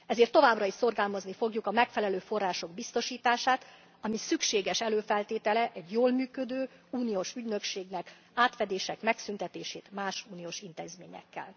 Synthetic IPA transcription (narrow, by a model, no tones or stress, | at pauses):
ɛzeːrt̪ːo̞vaːbrɒiʃso̞rɡaːlmɒznifo̞ɡjukɒmɛkfɛlɛløːfo̞rːaːʃo̞ɡbist̪o̞ʃiːt̪aːʃaːt̪ | ɒmisykʃeːɡɛʃɛløːfɛlt̪eːt̪ɛlɛʔɛɟjoːlmyːkø̞d̪øːuːnioʃyɟnø̞kʃeːɡnɛk | aːt̪fɛd̪eːʃɛkmɛksynt̪ɛt̪eːʃḛːt̪maːʃuːnioːʃint̪ḛːzmḛːɲɛ̰kːɛ̰l